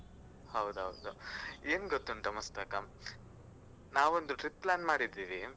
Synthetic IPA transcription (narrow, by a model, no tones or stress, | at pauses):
hɐwd̪uɦɐwd̪ueːnɡot̪ːunʈ̪ɐmɐst̪akɐm | naːʋond̪uʈɾip̚plaːnmaːɽid̪ːiːʋi